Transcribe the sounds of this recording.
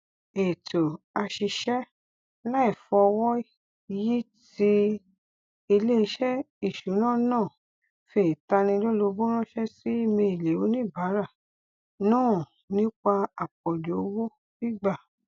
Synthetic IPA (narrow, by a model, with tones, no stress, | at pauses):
e˨to˨ | a˧ʃi˧ʃɛ˦ | la˦i˦˨fɔ˧ɔ˧wɔ˦˧ | ji˦ | ti˧ | i˧le˦˧ʃɛ˦ | i˦˨ʃu˨˦nã˦˨nãː˦˨ | fe˨ta˧nĩ˧lo˦lo˧bõ˦ɾ̃ã˦ʃɛ˦si˦i˦˨mĩ˧e˨le˨o˨˦nĩ˦˨ba˨˦ɾa˦˨ | nãː˦˨ | nĩ˦k͡pa˧a˨k͡pɔ˨do˨o˨˦wo˦ | bi˦ɡ͡ba˦˨